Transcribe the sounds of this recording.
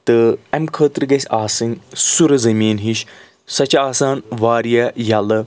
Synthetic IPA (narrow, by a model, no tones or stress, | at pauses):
t̪ɨɛmkʰəːt̪ɾɨɡɐsʲaːsɨŋsuɾɐzɐmiːnɦiʃ | sɐt͡ʃaːsaːnʋaːɾijɐjɐlɨ